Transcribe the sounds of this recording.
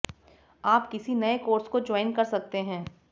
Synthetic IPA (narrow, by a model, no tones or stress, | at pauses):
aːpkɪsinɐekoːɾskod͡ʒɔːɪnkɐɾsɐk̚t̪eɦɛ̃ː